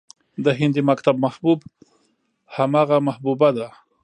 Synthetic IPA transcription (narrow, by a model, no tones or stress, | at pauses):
d̪əɦɪnd̪imakt̪ab̚mahbub | hamaɣamahbubad̪a